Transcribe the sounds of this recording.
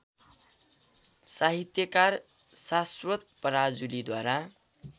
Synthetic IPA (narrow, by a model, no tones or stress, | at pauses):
saɦit̪jʌkar | saswʌt̪̚pʌɾad͡zulid̪waɾa